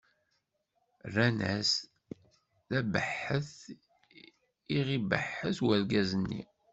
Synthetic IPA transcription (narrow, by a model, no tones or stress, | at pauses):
rːænæs | læbə̰ħːəθ | iʁibə̰ħːəθwæɾɡæzənːḭ